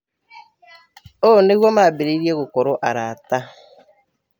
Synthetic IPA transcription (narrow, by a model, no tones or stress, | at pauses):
oneiɣomabɪɾeiɾjeɣʊkɔɾʊʔaɾaata